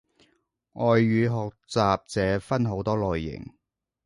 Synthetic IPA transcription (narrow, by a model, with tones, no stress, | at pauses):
ʔɔː˨jːyː˨˧ɦɔː˨k̚t͡saː˨p̚t͡sɛː˨˥fɐ˥nɦo˨˥wt̪ɔː˥lɔː˨jːɪ̰˨˩ŋ